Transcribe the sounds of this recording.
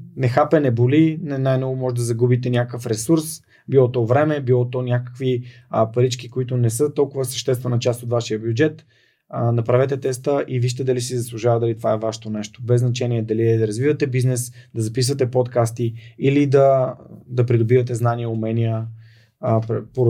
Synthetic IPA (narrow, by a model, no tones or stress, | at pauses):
nɛxapɛnɛbolinɛnajnɔɡʊmɔʒɛd̪ɐzɐɡubit̪ɛnʲakəfɾɛsuɾs | bilˠɔt̪ɔvɾɛmɛbilˠɔt̪onʲakə̥kvipɐɾit͡ʃkikoit̪ʊnɛsɤt̪ɔlˠkʊvəsɐ̥ʃt̪ɛst̪vɛnɐt͡ʃast̪ot̪vaʃijəbjud͡ʒɛt̪ | nɐpɾavɛt̪ɛt̪ɛst̪əʔiviʃt̪ɛd̪ɐlisizɐslˠuʒavəd̪ɐlit̪ovaɛvaʃt̪onɛʃt̪o̥bɛznɐt͡ʃɛniɛd̪ɐliɛd̪ɐɾɐzvivɐt̪ɛbiznɛsd̪ɐzɐpisvɐt̪̬ɛpɔt̪kast̪iilid̪ɐd̪ɐpɾid̪obivɐt̪ɛznaniəʊmɛnijə | ppo